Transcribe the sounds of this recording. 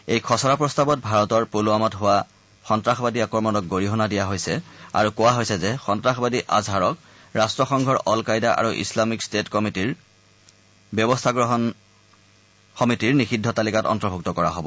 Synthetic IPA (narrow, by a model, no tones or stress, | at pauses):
ejkʰɔsɔɹapɹɔstabɔt̚bʱaɹɔtɔɹpoluamɔtɦʊwa | xɔntɹaxbadiakɔɹmɔnɔk̚ɡoɹiɦɔnadijaɦojsɛa̰ɹukowaɦojsɛzɛxɔntɹaxɔbadiʔa̰zʱaɹɔk | ɹastɹɔxɔŋɡʱɔɹʔɔlkajdaʔa̰ɹuʔḭslamikstetkɔmitiɹ | bjɔbɔstʰaɡɹɔɦɔn | xɔmitiɹnixidʱːɔtalikatɔ̰ntɔbʱuk̚tɔkɔɹaɦobɔ̰